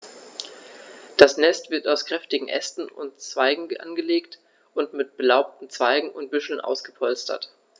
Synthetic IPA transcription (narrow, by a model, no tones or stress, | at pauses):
d̥asnɛstv̥ɪɐtaʊskʁ̥ɛftɪɡŋ̩ʔɛ̰stn̩ʊ̰ntt͡sv̥aɪɡŋ̩əʔa̰nɡəleːkt | ʔʊntmɪt̚b̥əlaʊp̚tn̩t͡sv̥aɪɡŋ̩ʊnt̚b̥ʏʃl̩nʔa̰ʊsɡ̥əpʰɔlstʰɐ̰t